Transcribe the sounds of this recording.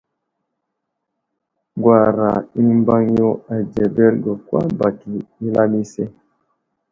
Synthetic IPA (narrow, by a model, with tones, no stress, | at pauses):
ɡwa˨ɾa˨i˦m˦ba˦ŋjo˦a˨d͡ʒɛ˨bɛ˦ɾɡɔ˨kwa̰˦ba˨ki˨i˦la˦mi˦sɛ˦